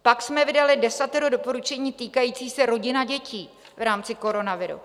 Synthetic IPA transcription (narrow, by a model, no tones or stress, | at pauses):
paksmɛvɪdalɪdɛsat̪ɛɾodopo̞ɾut͡ʃɛɲiːt̪iːkajiːt͡siːsɛɾo̞ɟɪnaɟɛciː | vɾaːmt͡sɪko̞ɾo̞navɪɾṵ